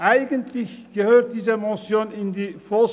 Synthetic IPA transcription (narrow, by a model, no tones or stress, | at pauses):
ʔaɪɡəntʰlɪçɡ̥əhøːt̚d̥iːzəmɔsjoːnɪndiːfɔl